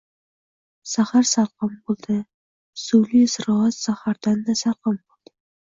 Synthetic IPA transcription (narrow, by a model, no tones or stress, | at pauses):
sahaɾsalˠqɑmbolˠd̪̥ɪ | suwlisɾɒat̪sahaɾd̪and̪asalˠqɑmbolˠd̪̥ɪ